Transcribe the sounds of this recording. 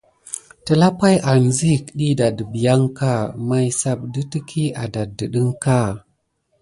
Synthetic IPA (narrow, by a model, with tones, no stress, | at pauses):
tə˨la˦pa˦jʔa˨nzi˦kɗi˦da˨də˨bi˨ja˦ŋka˦˨ma˦jsa˦b̚də˦tə˦kʰi˦a˨da˨də˨ɗə˦ŋka˦˨